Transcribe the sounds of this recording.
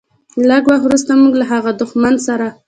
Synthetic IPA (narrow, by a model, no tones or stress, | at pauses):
ləɡwaxt̪wɾust̪amuɡlaɦaɣad̪ʊxmansaɾa